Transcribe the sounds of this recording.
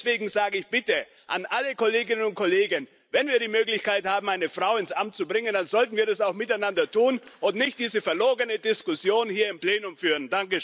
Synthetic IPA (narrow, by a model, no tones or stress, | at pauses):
sv̥eːɡŋ̩zaːɡəɪçb̥ɪtə | ʔa̰nʔaləkoleːɡɪnənʊnt̚kʰoleːɡən | vɛnviːɐɾiːmøːklɪçkaɪthaːbm̩aɪnəfʁ̥aʊɪnsʔamt̚t͡subʁɪŋəndanzɔltn̩viːɐdasaʊxmɪtaɪnandɐtuːnʔʊntnɪçt̚d̥iːzəfɛɐloːɡənədɪskʊsjoːnhiːɐɪmpl̥eːnʊmfyːʁəndaŋkə